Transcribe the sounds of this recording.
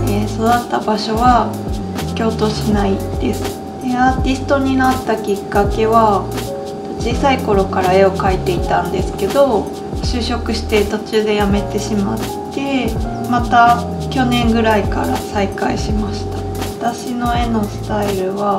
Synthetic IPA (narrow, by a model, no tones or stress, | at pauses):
eːsod̪at̪ːabaɕo̞βa | kʲo̞ːt̪o̞ːɕinaid̪̥e̞sɨ̥ | d̪̥e̞aːt̪ʲisɨ̥t̪o̞ɲ̟inat̪ːakʲikːake̞βa | t̪ot͡ɕiːsaiko̞ɾo̞kaɾae̞o̞kait̪e̞it̪ãnd̪e̞sɨ̥ke̞d̪o̞ | ɕɨːɕo̞kɯ̟ɕi̥t̪e̞t̪o̞t͡ɕɨːd̪e̞jame̞t̪e̞ɕimat̪ːe̞ | mat̪a | kʲo̞nẽ̞ŋɡɯ̟ɾaikaɾasaikaiɕimaɕi̥t̪ḁ | βat̪aɕino̞e̞no̞sɨ̥t̪aiɾɯ̟βa